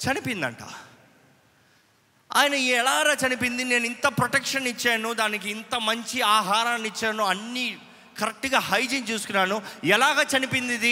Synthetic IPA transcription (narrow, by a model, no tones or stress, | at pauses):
t͡ʃɐnipind̪ɐ̰ɳʈa̰ː | a̰ːjɐnɐiɛlaːɾaːt͡ʃɐnipind̪ine̞ːnuint̪ɐpɾɔʈɛkʂɐnit͡ʃːeːnud̪aːnik̬iːnt̪ɐmɐɲt͡ʃiaːɦaːɾaːnit͡ʃːaːnuɐnːi | kɐɾɐk̚ʈɡaːhɐjd͡ʒint͡ʃuːsu̥kunːaːnuɛlaːɡaːt͡ʃɐnipind̪id̪i